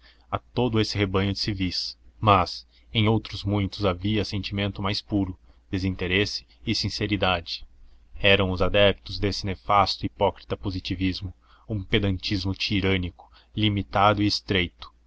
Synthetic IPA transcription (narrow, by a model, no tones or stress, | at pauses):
at̪od̪ʊesɪɦebɐ̃ɲʊd͡ʒɪsivismɐs | ẽj̃owt̪ɾʊzmũj̃t̪ʊzaviɐsẽnt͡ʃimẽnt̪ʊmajspuɾʊ | d̪̥ezĩnt̪eɾesɪ̥ːsĩseɾid̪ad͡ʒɪ̥ɛɾɐ̃w̃ʊzad̪ɛp̚t̪ʊzd̪esɪnefast̪ʊipɔkɾit̪ɐpozit͡ʃivizmʊ | ũped̪ɐ̃nt͡ʃizmʊt͡ʃiɾɐ̃nikʊ̥ | limit̪ad̪ʊiːst̪ɾejt̪ʊ̥